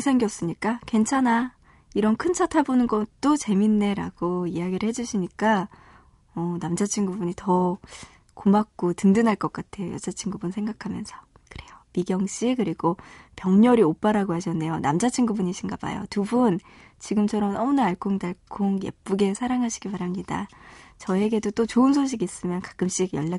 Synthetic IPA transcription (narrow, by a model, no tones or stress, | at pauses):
isʰaŋɡiʌs͈ɯɲik͈akwe̞nt͡ɕʰana | iɾʌnkʰɯnt͡ɕʰatʰabonɯnɡʌtt͈ot͡ɕe̞minːe̞ɾa̰ɡ̥oiaɡiɾɯɭhe̞d͡ʑuɕʰiɲik͈a | ʌnamd͡ʑat͡ɕʰiŋɡubuɲitʌ | komak̚k͈otɯndɯnaɭk͈ʌk͈atʰe̞jo̰jʌ̰d͡ʑʰat͡ɕʰiŋɡubunsʰeŋɡakʰamjʌnsʰʌ̥ | kɯ̥ɾe̞jomiɡjʌŋɕ͈ikɯɾiɡopjʌŋɲʌɾiop͈aɾaɡoɦaɕʰʌnːe̞jona̰md͡ʑat͡ɕʰiŋɡubuɲiɕʰinɡaba̰jo̰tubunt͡ɕiɡɯmt͡ɕʰʌɾʌmʌmɯnaːɭkʰoŋdaɭkʰoŋjḛp̚p͈uɡe̞sʰaɾaŋɦaɕʰi̥ɡipaɾɦamɲida̰t͡ɕʌe̞ɡe̞dot͈ot͡ɕoɯnsʰoɕ̬ʰiɡiis͈ɯmjʌnkḁk͈ɯmɕ͈iɡjʌʎːa